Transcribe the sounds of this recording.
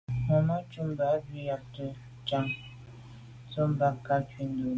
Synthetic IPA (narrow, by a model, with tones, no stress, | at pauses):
mɔ˨ma˦t͡ʃu˦m˦ba˨ʔbi˨ja˨tə˨ | t͡ʃa˨ŋ | t͡so˦mba˨ka˦ki˨n˦do˨